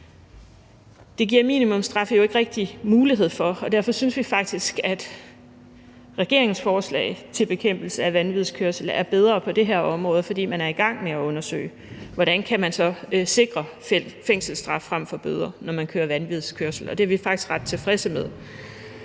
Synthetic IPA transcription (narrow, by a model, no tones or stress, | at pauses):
d̥e̝ɡ̥iɐ̰mḭːnimɔ̽msd̥ʁɑ̈fəjo̝e̝ɡ̥əʁɛɡ̥̚d̥imuːliɦe̝ð̞̰ˠfɒ̽ɒ̽d̥æɐ̰fɒ̽synsʋifɑ̈ɡ̥̚d̥isɡ̥æd̥ | ʁɛɡ̥e̝ɐ̰e̝ŋsfɒːslɛ̰ɪt͡sʰe̝lb̥e̝kʰem̰b̥l̩səæʋænʋið̞ˠskʰøɐsl̩æɐb̥eð̞ˠʁɐpʰɒ̽d̥e̝ɦeɐ̰ɒ̽mʁɔ̽ːð̞̩ˠfɒ̽d̥ḭːmænæɐiɡ̥ɑ̈ŋ̰meæɔ̽nɐsø̰ːɪ | ʋɒɾ̥ænkʰæmænsɒ̽se̝ɡ̥ʁɐ | feŋ̰sl̩sd̥ʁɑ̈fːʁɑm̰fɒ̽b̥øð̞ˠʁɐnɒmænkʰøːɐʋænʋið̞ˠskʰøɐsl̩ɒ̽d̥e̝æɐʋifɑ̈ɡ̥d̥isɡ̥ʁɑ̈d̥̚t͡sʰe̝fʁɛsəmeðˠ